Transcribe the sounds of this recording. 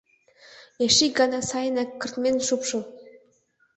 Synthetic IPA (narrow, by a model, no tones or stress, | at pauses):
jeʃiɡɑnɑsɑjənɑkːə̆rt̪mʲenʲʃupʃɤ̆